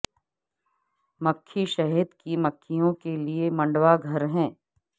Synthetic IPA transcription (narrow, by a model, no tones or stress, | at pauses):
mɐkʰːiʃɐɦid̪kimɐkʰːijõkeliemɐ̃ɳɖwaɡʱɐɾɦɛ̃ː